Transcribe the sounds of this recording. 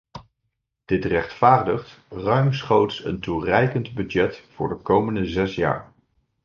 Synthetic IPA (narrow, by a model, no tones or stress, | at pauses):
d̥ɪtrɛχtfaːɹdəχtrœɥmsχowtsə̰nturɛjkəntbyd͡ʒɛtfʊ̰ːɹdəkowməndəzɛsja̰ːɹ